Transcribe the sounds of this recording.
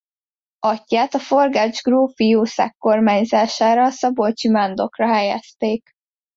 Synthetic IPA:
ɒcːaːt̪ɒfo̞rɡad͡ʒɡroːfijoːsa̰kːo̞rmaːɲzaːʃaːɾɒsɒbolt͡ʃimand̪o̞krɒɦɛjɛ̰st̪eːk

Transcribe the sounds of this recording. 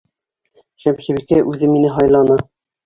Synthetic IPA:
ɕæmɕɘβikæʔʉðɘmːinɘɦɒjlˠɑnɤ

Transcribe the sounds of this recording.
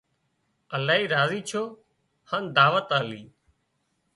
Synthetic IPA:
əlaːɦiːɾaːziːt͡ʃʰoː | hə̃nd̪aːʋət̪aːliː

